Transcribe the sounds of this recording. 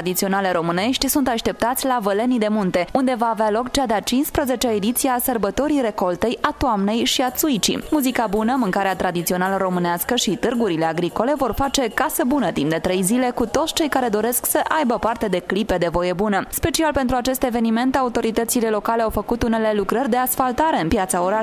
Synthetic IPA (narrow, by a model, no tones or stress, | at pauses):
ad̪it̪sio̞naleɾo̞mɨne̞ʃt̪ʲsunt̪aʃt̪e̞p̚t̪at̪sʲlavəle̞nid̪e̞munt̪e̞und̪e̞vaːvealo̞kt͡ʃad̪eat͡ʃinspɾəze̞t͡ʃeaed̪it̪sijeasərbət̪o̞ɾiɾe̞ko̞lt̪e̞jat̪oamne̞jʃiat̪suit͡ʃḭmuzikabunəmɨŋkaɾeat̪ɾad̪it̪sio̞naləɾo̞mɨneaskəʃit̪ɨrɡuɾile̞aɡɾiko̞le̞vo̞rfat͡ʃe̞kasəbunət̪impd̪e̞t̪ɾe̞jzile̞kut̪o̞t̪sʲt͡ʃe̞jkaɾe̞d̪o̞ɾe̞sksəʔajbəpart̪e̞d̪e̞klipe̞d̪e̞vo̞je̞bunəspe̞t͡ʃialpe̞nt̪ɾuat͡ʃe̞st̪e̞ve̞nime̞nt̪aut̪o̞ɾit̪ət̪sile̞lo̞kale̞awfəkut̪une̞le̞lukɾərʲd̪e̞asfalt̪aɾe̞ɨnpjat̪saoɾa